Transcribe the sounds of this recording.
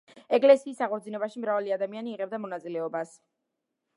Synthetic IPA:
ɛɡʼlɛsiːsaʁɔd̪zinɛbaʃimɾavaliad̪amianiːʁɛb̚d̪amɔnat̪sʼilɛɔbas

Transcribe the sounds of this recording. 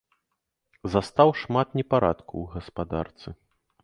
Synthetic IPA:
zast̪awʂmat̪nʲɛpaɾa̰t̪kuwɣɐspad̪a̰rt̪sɨ

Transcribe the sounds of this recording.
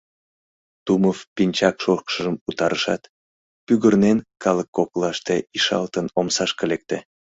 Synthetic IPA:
t̪uməvpinʲt͡ɕɑkʃorkʃəʒəmut̪ɑɾəʃɑ̰t̪ | pyɣərnenkɑləkːoklɑʃt̪eiʃɑ̰lt̪ənomsɑʃkəlek̚t̪e

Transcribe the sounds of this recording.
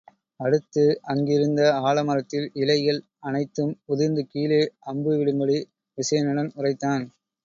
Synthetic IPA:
ɐɽɯt̪ːɯʔɐŋɡɪɾɯnd̪ɐaːɭɐmɐɾɐt̪ːɪlɪlɐɪjɐl | ɐnɐɪt̪ːɯmʊðɪɾnd̪ɯkiːleʔɐmbɯʋɪɽɯŋɡɐɭi | ʋɪsɐjɐnɪɽɐnʊrɐɪt̪ːaːn

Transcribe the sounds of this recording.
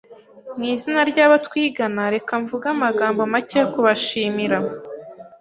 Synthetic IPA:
mŋiːzinaɾɟaβatwiːɡanaɾe̞kaɱvuɡamaɡaːmbomaceːkuβaʃiːmiɾa

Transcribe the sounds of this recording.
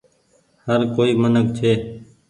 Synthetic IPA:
həɾkoːiːmənək̚t͡ʃʰeː

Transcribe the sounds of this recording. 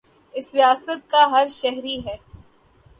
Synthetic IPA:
ɪsɾijaːsət̪̚kaɦɐɾʃɛɦɾiɦɛː

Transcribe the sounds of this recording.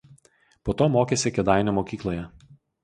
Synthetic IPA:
poːt̪oːmoːkʲɛsʲɪkʲɛd̪ɑˑɪnʲoːmokʲiːklˠoːjɛ

